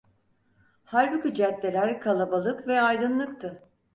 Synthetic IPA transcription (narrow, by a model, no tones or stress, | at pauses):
haɾʲbicyd͡ʒɛt̪ːʲe̞lʲæɾkʰalˠabalˠɯkvɛajd̪ɯnlˠɯk̚t̪ʰɯ